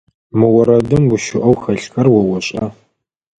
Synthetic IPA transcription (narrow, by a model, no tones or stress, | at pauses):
mɨwɐɾɐdɨmɡʊʃʊʔɐwxɐɬxɐrwɐwɐɕʼɐ